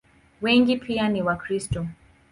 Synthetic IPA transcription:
wɛŋɡipʰianiwakɾistɔ

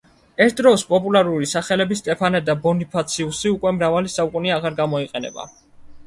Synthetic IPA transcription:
ɛɾt̪̚ʰd̪ɾɔspʼɔpʼulaɾuɾisaχɛlɛbist̪ʼɛpʰanad̪abɔnipʰat̪sʰiusiukʼwɛmɾavalisaukʼuniaʁaɾɡamɔiqʼɛnɛ̰ba̰

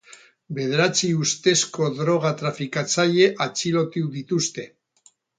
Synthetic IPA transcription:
be̞ð̞e̞ɾat͡siust̪e̞sko̞ðɾo̞ɣ̞at̪ɾafikat͡saʎe̞ʔat͡ʃilo̞t̪iuðit̪ust̪e̞

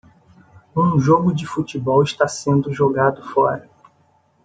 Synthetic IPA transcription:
ũʒoɡʊd͡ʒɪfut͡ʃibɔwɪʃt̪asẽnd̪ʊʒoɡad̪ʊfɔ̰ɾɐ

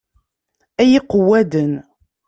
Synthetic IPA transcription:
æjiqːəwːæd̪ən

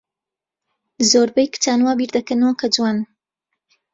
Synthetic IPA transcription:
zoːɾbɛjkɨ̥taːnwaːbiːɾd̪ɐkɐnɐwɐkʰɐd͡ʒwaːn

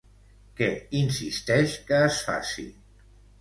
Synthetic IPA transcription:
kɛinsist̪ɛʃkəːsfa̰sḭ

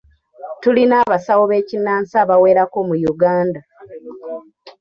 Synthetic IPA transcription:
tulinaːβasawoβe̞ːcinːaːnsaːβawe̞ːɾako̞mujuɡaːnda

